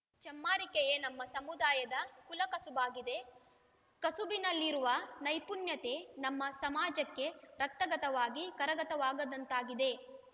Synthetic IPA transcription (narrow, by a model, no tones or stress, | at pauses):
t͡ʃɐmːaːɾikejenɐmːɐsɐmud̪aːjɐd̪ɐkulɐkɐsubaːɡid̪e̞ | kɐsubinɐlːiɾuʋɐnɐjpunjɐt̪e̞nɐmːɐsɐmaːd͡ʒɐkːe̞ɾɐk̚t̪ɐɡɐt̪ɐʋaːɡikɐɾɐɡɐt̪ɐʋaːɡɐd̪ɐnt̪aːɡid̪e̞